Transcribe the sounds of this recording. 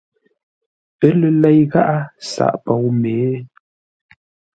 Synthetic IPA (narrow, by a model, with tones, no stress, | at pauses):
ə˦lə˨lɛ˦jɣa˦ʔa˦sa̰˨ʔpɔ˨wmeː˨˦